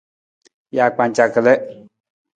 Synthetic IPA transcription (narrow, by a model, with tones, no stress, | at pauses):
ja˨k͡pa˨ɲ˨t͡ʃa˨kə˨lɛ˦